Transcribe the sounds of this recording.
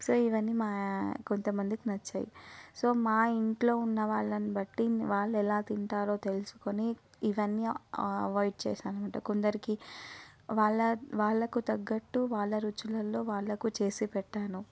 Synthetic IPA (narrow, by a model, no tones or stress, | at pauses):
so̞ːiʋɐnːimaːko̞nt̪ɐmɐnd̪ikinɐt͡ʃːɐ̰ːjḭsoːmaːiɳʈlo̞ːunːɐʋaːɭːɐnibɐʈːiʋaːɭːuɛlaːt̪iɳʈaːɾo̞ːt̪e̞lusu̥koniː | ʋɐnːiɐʋɐːjɖ̚t͡ʃɛːʃaːnumɐːʈɐkond̪ɐɾiki | ʋaːɭːɐʋaːɭːɐkut̪ɐɡːɐʈːuʋaːɭːɐɾut͡ʃulɐlːo̞ːʋaːɭːɐkut͡ʃe̞ːsipɛʈːaːnu